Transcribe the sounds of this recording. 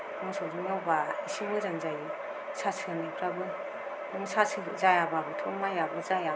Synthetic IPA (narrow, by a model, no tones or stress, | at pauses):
mɯŋsɔzumawbaisimɯzaŋzaj | sasʰɯnipʰɾabɯ | uŋsasʰɯzajababɯtʰɔmajabɯzaja